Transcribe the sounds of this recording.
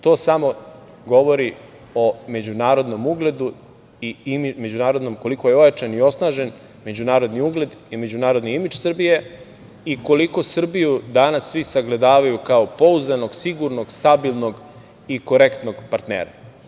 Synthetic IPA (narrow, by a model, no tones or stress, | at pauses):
t̪o̞ːsamo̞ | ɡo̞ʋo̞ɾi | o̞me̞d͡ʑunaːɾo̞d̪no̞muɡle̞d̪u | iimime̞d͡ʑunaːɾo̞d̪no̞mko̞likojeo̞jat͡ʃanio̞snaːʒe̞n | me̞d͡ʑunaːɾod̪niuɡle̞d̪ime̞d͡ʑunaːɾo̞d̪niimit͡ʃsr̩bije̞ | iko̞liko̞sr̩bijud̪anasːʋisaɡle̞d̪aːʋajukaopo̞uzd̪ano̞ɡsiɡuɾno̞ɡst̪abilˠnoɡ | iko̞ɾekt̪no̞ɡpaɾt̪neːɾa